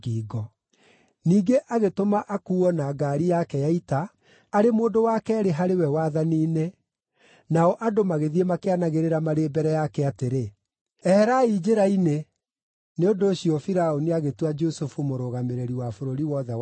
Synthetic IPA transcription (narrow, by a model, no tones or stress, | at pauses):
ɡiːɡɔ | niːɡeʔaɣetomaʔakuːɔnaɡaːɾijakɛjaita | aɾemoːdowaːkɛːɾeɦaɾewɛwaðaniːne | naɔʔadomaɣeðiemakeanaɣeɾeɾamaɾeːbɛɾɛjakɛateɾe | ɛhɛɾaid͡ʒeɾaine | neondoːɕiɔfiɾaoniaɣetwad͡ʒosufumoɾoːɣameɾeɾiwafoɾoɾiwɔðɛw